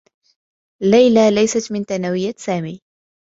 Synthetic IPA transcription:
lajlalajsat̪mɪnt̪anawɪjːasaːmiː

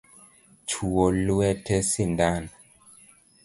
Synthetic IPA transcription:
t͡ʃuoluɛtɛsindan

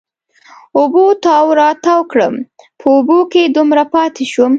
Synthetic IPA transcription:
ʊbot̪ɑwɾɑt̪awkɽəmpʰəuboked̪umɾapɑt̪eʃum

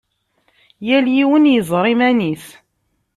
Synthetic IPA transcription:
jæljiwənjəzˤɾˤimæniθ

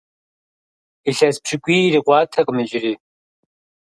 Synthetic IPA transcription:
iɬɐspʰʂɪkʷiːriqʷɑːtʰɐqʼmɨd͡ʒɪriː

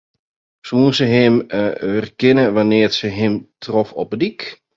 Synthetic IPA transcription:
suːənsəɦɪmɛrkɪnəʋanɪərsəɦɪmtʰrɔfɔp̚ədik

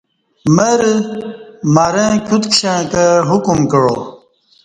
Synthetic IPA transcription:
mɐɾ | maːɾẽːkʰut̪kɕẽkəɦukumkɐɽo̰

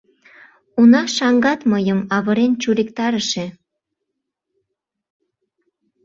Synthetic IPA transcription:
unɑʃɑŋɡɑt̪məjəmɑβəɾent͡ɕuɾikt̪ɑɾəʃe

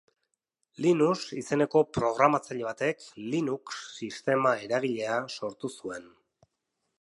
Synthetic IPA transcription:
linusise̞ne̞ko̞pɾo̞ɣ̞ɾamat͡saʎe̞β̞at̪e̞klinuksːist̪e̞mae̞ɾaɣ̞iʎe̞aso̞ɾt̪usue̞n

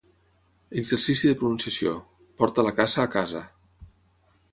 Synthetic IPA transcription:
əɡzərsisiðəpɾununsiəsio̰ | pɔɾt̪ələkazəːkazə

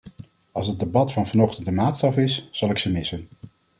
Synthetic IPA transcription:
ɑlˠsɦəd̚debɑtfɑnvɑnɔχtəntdəmaːtstɑfɪsz̥ɑlˠɪksəmɪsən

